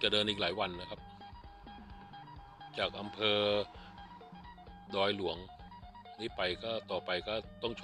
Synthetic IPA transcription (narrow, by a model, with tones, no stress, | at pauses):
t͡ɕa˨˩dɤː˧nʔiː˨k̚laː˩˦jwa˧nːa˦˥kʰa˦˥p̚ | t͡ɕaː˨˩k̚ʔa˧mpʰɤː˧ | dɔː˧jlu˩˦əŋ | niː˦˥pa˧jkɔː˥˩t̪ɔː˨˩pa˧jkɔː˥˩t̪ɔ˥˩ŋt͡ɕʰ